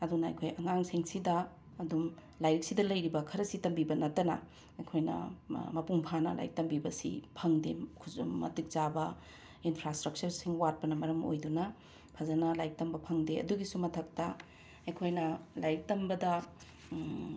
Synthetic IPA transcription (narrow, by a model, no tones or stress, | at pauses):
ɐdunɐɐ̰jkʰojʔɐŋaŋsiŋsidɐː | dum | lajɾik̚sidɐlɐjɾibɐkʰɐɾɐsitɐmbibɐnɐtːɐnɐ̰ | ɐjkʰojnɐ̰mɐpuŋpʰanɐ̰la̰jk̚tɐmbibɐsḭpʰɐŋdekʰuzmɐ̰tik̚zabɐ | inpʰɾastɾɐk̚t͡ʃɐɾsiŋwat̚pɐnɐmɐɾɐmo̰jdunɐ | pʰɐzɐnɐlajk̚tɐmbɐpʰɐŋdeɐ̰duɡisumɐtʰɐk̚tɐ | ɐjkʰojnɐlajɾik̚tɐmbɐdɐ